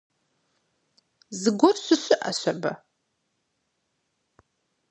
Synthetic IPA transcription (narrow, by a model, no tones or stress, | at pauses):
zɨɡʷɔrɕʷɨɕʷɨʔɐ̰ɕʷɐbɐ̰